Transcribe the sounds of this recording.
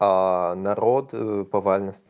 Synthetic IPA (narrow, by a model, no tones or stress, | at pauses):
anɐɾot̪pɐvalʲnəst̪ʲ